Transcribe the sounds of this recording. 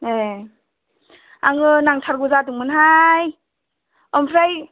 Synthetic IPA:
e | a̰ŋɯnaŋtʰaɾɡuzadɯŋmɯnɦaj | ɔmpʰɾaj

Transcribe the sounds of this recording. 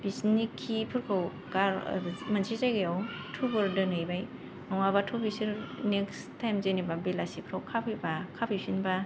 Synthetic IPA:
bisnikʰːipʰɯɾkʰɯw | kaɾmansʰizajɡɯjawtʰubɯɾdɯnɯjbaj | nɔŋabatʰubisiɾnekstːajmzenibabelasipʰɾakʰːapʰɯjbakʰapʰisinba

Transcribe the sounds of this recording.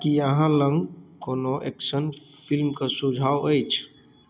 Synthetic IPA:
kijəɦãləŋɡkoːnoʔḛksənpʰilmkasud͡ʒʱaːwəjt͡ʃʰ

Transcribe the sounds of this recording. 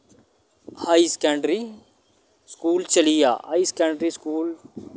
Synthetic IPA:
haːiskɛ̃ːɳɖɾi | skuːlt͡ʃəlija̰ːɦaːiskɛ̃ːɳɖɾiskuːl

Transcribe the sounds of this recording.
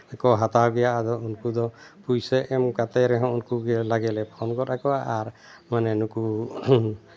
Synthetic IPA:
ɛkɔɦat̪aɡɛjaːd̪ɔunkud̪ɔpujsɛʔɛmkat̪ajɾɛɦãunkuɡɛlaɡɛlɛpʰɔnkɔtakɔaʔːɾ | manɛnuku

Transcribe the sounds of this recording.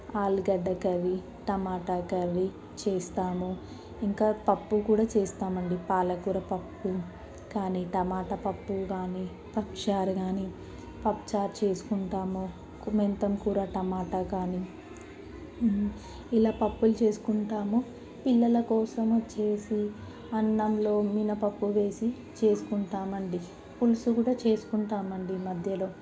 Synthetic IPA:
aːlɡɐɖːɐkɐɾi | ʈɐmaːʈaːkɐɾi | t͡ʃeːst̪aːmu | iŋkaːpɐpːukuːɽaːt͡ʃeːst̪aːmɐɳɖipaːlɐkuɾɐpɐpːu | kaːniʈɐmaːʈɐpɐpːuɡaːni | pɐkʂaːɾɡaːni | pɐpt͡ʃaːɾt͡ʃe̞ːsu̥kuɳʈaːmo | kment̪ɐmkuːɾaːʈɐmaːʈɐkaːni | ilaːpɐpːulut͡ʃe̞ːsu̥kuɳʈaːmu | pilːɐlɐkɔːsɐmɐt͡ʃːe̞ːsi | ɐɳːɐmlo̞ːminɐpɐpːuʋe̞ːsi | t͡ʃe̞ːsu̥kuɳʈaːmɐɳɖi | pulusukuːɽaːt͡ʃe̞ːsu̥kuɳʈaːmɐɳɖimɐd̪ʱjɐlo̞ː

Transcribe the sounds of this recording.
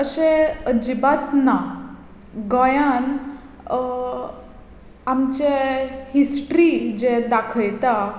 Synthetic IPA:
əɕeəd͡ʑibat̪na | ɡɔjan | amt͡ɕehisʈɾid͡ʑed̪akʰəjt̪a

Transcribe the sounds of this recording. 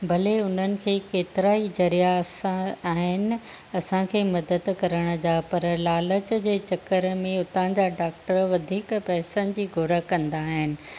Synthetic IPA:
bʱɐleʊn̤ənɪ̆kʰeːkeːt̪ɪɾaːid͡ʑɐɾijasaaːɦɪnɪ̆ɐsãkʰeːmɐd̪əd̪kɐɾəɽ̃ʊ̆d͡ʑapɐɾlaːlət͡ɕd͡ʑeːt͡ɕɐkəɾmẽʊt̪ãd͡ʑaɖaːk̚ʈəɾʋɐd̪ʱiːkpɛɦsənɪ̆d͡ʑiːɡʱʊɾəkɐ̃nd̪aːɦɪnɪ̆

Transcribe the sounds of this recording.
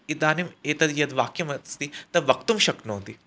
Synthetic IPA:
id̪aːnimeːt̪ɐd̪jɐd̪ʋaːkɐmɐst̪it̪ɐʋɐkt̪umʃɐknoːnd̪i

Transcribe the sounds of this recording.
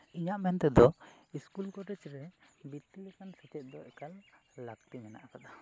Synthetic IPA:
iɲaʔmɛnt̪ɛd̪ɔiskulkɔɾɛt͡ʃɾɛ | bit̪ːilɛkansɛt͡ʃɛt̪̚ˀd̪ɔʔɛkalː | akt̪imɛna̰ʔkad̪a

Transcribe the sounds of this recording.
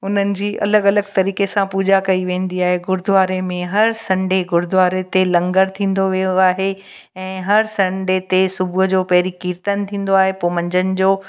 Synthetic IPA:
ʊn̤ənɪ̆d͡ʑiːʔɐ̰ləɡɐləɡt̪ɐɾiːkesãpuːd͡ʑakɐiʋẽːn̆d̪iaːɦeɡʊɾd̪ʊʋaːɾemẽɦɐɾsɐ̃ɳɖeɡʊɾd̪ʱʋaːɾet̪elɐ̃ŋɡəɾt̪ʰĩːn̆d̪oʋijoaːɦe | ɛ̃ːɦɐɾsɐ̃ɳɖet̪esʊbʱʊɦd͡ʑoːpɐɦɾikiːɾt̪ənt̪ʰĩːn̆d̪oaːɦepoːmɐ̃ɲd͡ʑənɪ̆d͡ʑoː

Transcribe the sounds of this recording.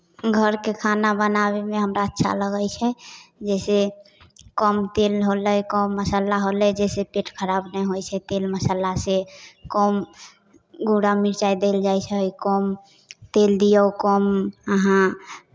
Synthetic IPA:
ɡʱəɾkekʰanabənaβemeɦəmɾaətːʃʰa̰ləɡəjt͡ʃʰɛd͡ʒɛse | kɔmt̪elɦolɛjkɔmːəsalaɦolɛd͡ʒɛsepeʈʰkʰəɾabnɛɦojt͡ʃʰɛt̪elməsalasekɔm | ɡuɽamiɾt͡ʃajd̪eld͡ʒajt͡ʃʰjkɔm | t̪eld̪ijəwkɔməɦã

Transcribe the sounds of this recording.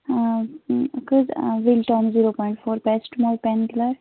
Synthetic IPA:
kəzʋilʈɔ̃ːmziɾopɔjɳʈfʰoːɾpɛsʈmɔːlpɛnɡilaɾ

